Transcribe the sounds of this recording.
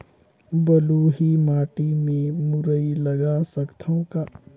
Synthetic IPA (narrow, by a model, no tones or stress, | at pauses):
bəluɦimaːʈimẽmʊɾəiləɡasəkt̪ʰõka